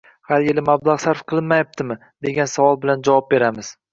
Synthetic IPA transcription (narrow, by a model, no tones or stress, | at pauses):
haɾjelɪmablˠaʁsaɾfqʰɨlˠɪnmajap̚t̪ɪmɪ | d̪e̞ɡʲansavɒlˠbɪland͡ʒavɒp̚be̞ɾamɪz̥